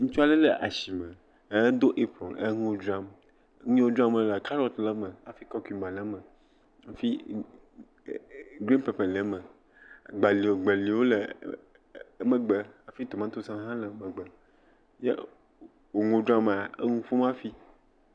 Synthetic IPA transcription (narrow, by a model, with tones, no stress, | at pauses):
ŋũ˦t͡ʃu˦a˦lə˦lə˨ʔa˨ʃi˨mə˨˦ | d̪o˦ʔe˦pɾɔ̃˨ne˦ŋ˦õ˦d͡ʒɾa˦m˦ | ɲĩ˦wo˦dɾa˦mə˦la˨ka˦ɾɔ˦t̪lə˦mə˨a˨fi˦kɔ˦ki˨mã˨lə˦mə˨ | a˨fi˦ | ɡɾĩ˦npe˨pɛ˨lə˨˦mə̃˨ | ɡ͡ba˨li˨o˨ɡ͡be˨li˨wo˦lə˨˦ | mə˨ɡ͡bə˨a˨fi˦t̪o˨mã˦t̪o˦sã˦ɦã˦lə˨˦mə˨ɡ͡bə˨ | jḛ˦ | wo˨ŋõ˦dɾa˦m˨a˨ə˦ŋũ˦fo˦mã˦fi˦